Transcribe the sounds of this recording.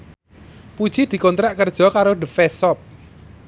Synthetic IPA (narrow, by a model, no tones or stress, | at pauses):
pud̥ʒ̥id̪̥i̤kɔnt̪ɾaʔkərd̥ʒ̥ɔ̤kaɾoɖ̪əfɛsɔp̚